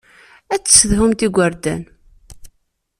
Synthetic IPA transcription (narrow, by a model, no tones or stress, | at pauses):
æt͡sːsðɦumt̪iɡʷəɾd̪æn